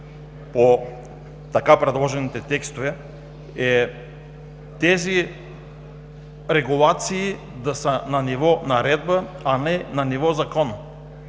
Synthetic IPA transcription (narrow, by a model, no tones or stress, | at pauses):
po | t̪akapɾɛd̪lˠɔʒɛnit̪ɛt̪ɛkst̪ovɛ | ɛ | t̪ɛzi | ɾɛɡulˠat̪siː | d̪asənanivɔnaɾɛd̪̚baanɛnanivɔzakɔn